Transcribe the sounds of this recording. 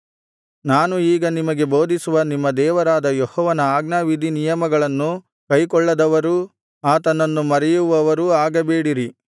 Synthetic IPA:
naːnuiːɡɐnimɐɡe̞bo̞ːd̪ʱisuʋɐnimːɐd̪ɛːʋɐɾaːd̪ɐjɔhɔːʋɐnɐaːɡnaːʋid̪ʱinijɐmɐɡɐɭɐnːu | kɐjkɔɭːɐd̪ɐʋɐɾu | aːt̪ɐnːɐnːumɐɾɛjuʋɐʋɐɾuaːɡɐbeːɽiɾi

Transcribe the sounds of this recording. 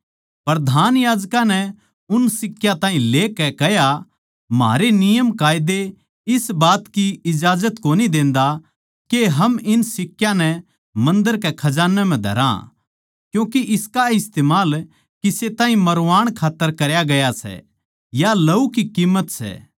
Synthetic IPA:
pɾɐd̪ʱaːnjaːd͡ʒkãnɛ | ʊnsɪkːjãt̪ãːɦĩleːkɛkɛja | mɦa̰ːɾenɪjəmkaːɪd̪e | ɪsbaːt̪kiɪd͡ʒaːd͡ʒət̪koːnid̪ẽːnd̪a | keɦɐmɪnsɪkːjãnɛ | mɐ̃nd̪əɾkɛkʰɐd͡ʒaːnːɛmɛ̃d̪ʱɐ̰ɾã̰ | kjũːkiʔɪskaɪst̪eːmaːl | kiset̪aːɦĩmɐɾʋaːɽ̃kʰaːt̪ːəɾkɐɾjaɡɐjasɛ̰ | jalɐukikiːmːət̪sɛ̰ː

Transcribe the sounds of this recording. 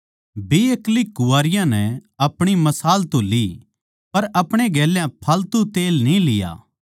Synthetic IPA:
bieklikʊʋaːɾɪjãnɛɐpɽ̃imɐsaːlt̪oli | pɐɾɐpɽ̃eɡɛːljãpʰaːlt̪ut̪eːlnĩlɪja̰ː

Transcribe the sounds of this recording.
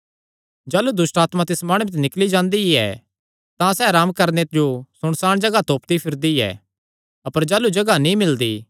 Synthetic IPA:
d͡ʒaːlud̪ʊsʈaːt̪mat̪ɪsmãːɽ̃ut͡ʃnɪklid͡ʒãːnd̪iɛ̰ | t̪ãsɛɾaːmkɐɾned͡ʒosʊɽ̃saːɽ̃d͡ʒɐɡat̪oːpt̪ipʰɪɾd̪iɛ̰ | ɐpəɾd͡ʒaːlud͡ʒɐɡanĩmɪld̪iː

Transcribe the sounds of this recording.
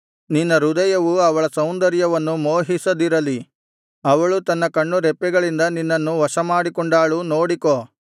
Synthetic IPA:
ninːɐɾud̪ɐjɐʋuɐʋɐɭɐsɐwnd̪ɐɾjɐʋɐnːumoːɦisɐd̪iɾɐli | ɐʋɐɭut̪ɐnːɐkɐɳːuɾɛpːɛɡɐɭind̪ɐninːɐnːuʋɐʃɐmaːɽikɔɳɖaːɭunoːɽikoː

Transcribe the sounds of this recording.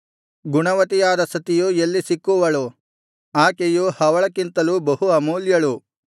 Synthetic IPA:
ɡuɳɐʋɐt̪ijaːd̪ɐsɐt̪ijuelːisikːuʋɐɭu | aːkejuhɐʋɐɭɐkːint̪ɐlubɐɦuɐmuːljɐɭu

